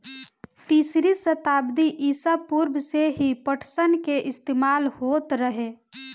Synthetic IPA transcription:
t̪iːsɾisət̪aːbd̪iʔiːsapuɾbʱseɦipəʈʰsənkeʔɪst̪eːmaːlhoːt̪ɾəɦeː

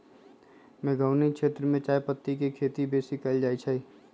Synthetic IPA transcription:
mẽːɡaʊnikʃeːt̪ɾəmẽt͡ʃaːjpət̪ːikekʰeːt̪ibeːsikɐld͡ʒaːit͡ʃʰai

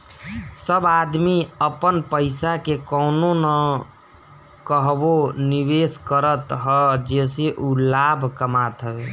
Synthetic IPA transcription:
səbad̪miəpənpəɪsakekɔʊnonə | kəɦboniβeskəɾət̪ɦəd͡ʒeseʔulabʱkəmat̪ɦə

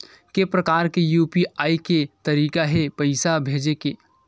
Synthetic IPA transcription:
kepɾəkaːɾkejuːpiaːiket̪əɾiːkaɦepəɪsabʱeːd͡ʒeke

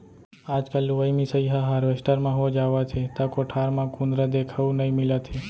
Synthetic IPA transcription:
ad͡ʒkaluʋəjmisəjɦaɦaɾʋesʈəɾmãɦod͡ʒaʋat͡ʃʰet̪akɔʈʰaɾmãkũnd̪ɾad̪ekʰaʋũnəĩmilat̪ʰe

